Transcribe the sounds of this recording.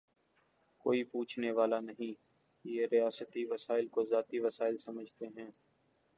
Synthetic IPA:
koːipuːt͡ʃʰneʋaːlanɐɦĩː | jeːɾijaːsət̪iʋɐsaːɪlkozaːt̪iʋɐsaːɪlsɐməd͡ʒʱt̪eɦɛ̃ː

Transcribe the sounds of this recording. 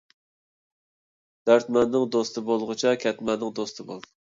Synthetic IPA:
d̪̥æɾt̪mɛnd̪ɪŋd̪ost̪ʰɨbolˠʁʊt͡ʃʰɑkʲʰɛt̪mɛnɪŋd̪ost̪ʰɨbo̰lˠ

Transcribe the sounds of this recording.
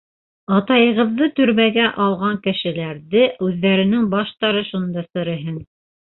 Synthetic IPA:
ɑt̪ɑjɤ̆ʁɤ̆ðːɤt̪ɵ̆ɾmæɡæʔɑlˠʁɑŋkɘ̆ʃɘ̆læɾðɘʉðːæɾɘ̆nɘŋbɑʃt̪ɑɾɤʃund̪ɑsɤ̆ɾɤ̆ɦɘn

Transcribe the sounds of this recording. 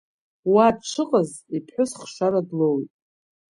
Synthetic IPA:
wad̚t͡ʃʷʰɨqʼəzipʰħʊsχʃʷaɾadlowitʼ

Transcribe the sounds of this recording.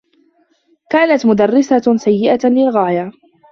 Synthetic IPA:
kaːnat̪mʊd̪arˤːɪsasajːɪʔalɪlɣaːja

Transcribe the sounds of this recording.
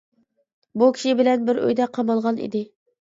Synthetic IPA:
bukʲʰi̥ʃibɪlɛnbɪɾø̰jd̪ɛqʰɑmɑlˠʁɑnḭd̪ɪ

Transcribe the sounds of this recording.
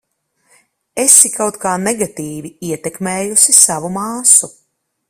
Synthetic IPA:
ɛsikawt̪kaːnɛɡat̪iːviiɛt̪ɛkmɛːjusisavumaːsu

